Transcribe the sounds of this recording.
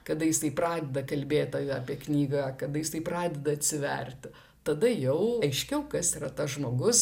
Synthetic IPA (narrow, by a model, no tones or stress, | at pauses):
kɐd̪ɐjɪst̪ɐɪprɑːd̪ʲɛd̪ɐkɐlʲbʲeːt̪ʲːjɐːpʲiɛknʲiːɡɐkɐd̪ɐjɪst̪ɐɪpɾɑːd̪ʲɛd̪ɐɐt̪ʲsʲɪʋʲɛ̰rʲt̪ʲ | t̪ɐd̪ɐjɛʊɐɪʃʲkʲɛʊkɐsiːɾɐt̪ɐsʒmoːɡʊs